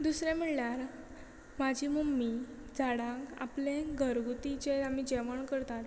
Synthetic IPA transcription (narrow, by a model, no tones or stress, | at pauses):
d̪usɾɛ̃m̤əɽljaɾ | mad͡ʑʱiːməmːi | d͡zʱaɽãka̰plẽɡʱəɾɡut̪it͡ɕeamid͡ʑeʋəɳkəɾt̪at̪